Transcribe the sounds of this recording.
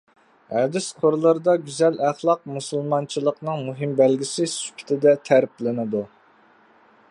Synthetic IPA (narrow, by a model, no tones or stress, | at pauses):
hɛd̪ɪsqʰoɾlˠəɾɨd̪ɑɡʲyzɛlæχlˠɑq̚musulˠmɑnt͡ʃʰilˠəqnɨŋmuɦɪmbælɡʲisɪsy̥pʲʰɪ̥t̪ʰɪd̪ɛt̪ʰæɾp̚lɪnɨd̪u